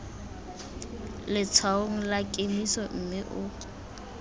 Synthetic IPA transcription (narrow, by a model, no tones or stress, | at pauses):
lɪt͡sʰwaoŋ̩lakʼemisɔm̩mɪʔʊ